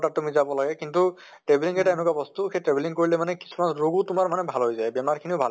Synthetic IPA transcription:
ʈatʊmizabɔlaɡɛkintu | ʈɹebeliŋɛtɛnʊkabɔst̪uxejtɹebʱiliŋkoɹilɛmanɛki̥sʰumanɹoɡʊtʊmaɹmanɛbʱalɦojzajbɛmaɹkʰiniʊbʱal

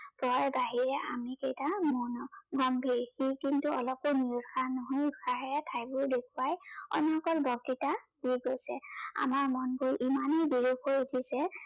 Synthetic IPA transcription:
pɔjbaɦiɹɛʔa̰mikejtamɔnɔɡʱɔmbʱeɹxikintuɔlɔponiutxʰanɔɦojutkʰaɦɛtʰajbʊdekʰuajɔ̰nɔɔkɔlbɔk̚titad̥iɡojsɛ̰a̰maɹmɔnkojʔimanejbiɹukojuzʰisɛ

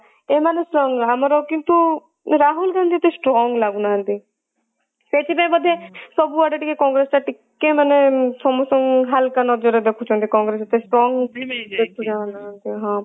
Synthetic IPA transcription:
emanesʈɾɔŋɡamɾɔkint̪u | ɾaɦulɡand̪ʱiet̪esʈɾɔŋɡlaɡunaɦənt̪i | set̪ʰibamɔd̪ʱjesɔbuɔɖaʈikekɔ̃ŋɡɾesʈ̪aʈikːemanesɔmusɔŋɦalkanɔd͡ʒɔɾed̪ekʰut͡ʃʰɔ̃nt̪ʰikɔ̃ŋɡɾeset̪esʈɾɔŋɡd̪et̪ud͡ʒaʋanaɦnt̪iɦã

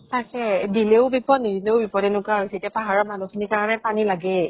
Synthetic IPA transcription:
takɛdileʊbipɔtnidileʊbipɔdɛnʊkaɦojsɛetjapaɦaɹɔmanukʰinikaɹanɛpanilaɡɛ

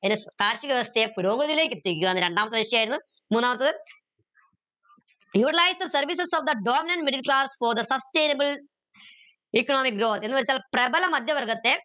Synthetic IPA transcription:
eðnɨskaːɾʂiɣɐʋɐst̪ʰɐepuɾo̞ːɡɐðile̞ːkːet̪ːiikʲːuɐnːɨɾeɳɖaːmɐt̪ːɨʋeʂiaːjiɾunːu | muːnːaːmɐt̪̬ːɨ | juːʈilajsɐsɐrʋisɐsofd̪ɐɖoːminɐɳɖmiɖɨlkɭaːsfoːɾd̪ɐsɐste̞ːnɐbɨl | ikːɐnoːmik̚ɡɾo̞ːt̪enːɨʋɐɾit͡ɕːaːlprɐbɐlɐmɐd̪ʱjɐʋɐrɡɐt̪ːe̞

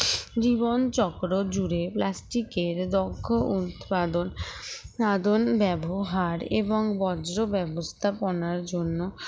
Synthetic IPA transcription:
d͡ʑibont͡ɕɔkɾod͡ʑuɾeplasʈikeɾd̪oɡʱːoʔut̪pad̪on | ad̪onbɛboɦaɾeboŋbɔd͡ʑɾobɛbost̪ʰaponaɾd͡ʑonːo

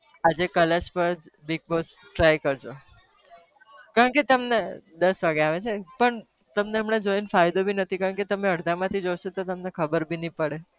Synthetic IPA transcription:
ad͡ʒekəlespəɾd͡ʒbiɡ̚bosʈɾajkəɾd͡ʒo | kaɾəɳket̪əmned̪əsʋaɡeaʋet͡ʃʰepəɳ | t̪əmneəmɳed͡ʒoinfajd̪obʱinət̪ʰikaɾəɳket̪əmeəɽd̪ʱamãt̪ʰid͡ʒojʃot̪ot̪əmnekʰəbəɾbʱinəĩpəɽe

